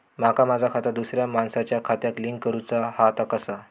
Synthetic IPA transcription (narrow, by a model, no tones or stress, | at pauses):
makamad͡zʱakʰat̪ad̪usɾjamansat͡ɕjakʰat̪jakliŋkːəɾut͡sahat̪akəsa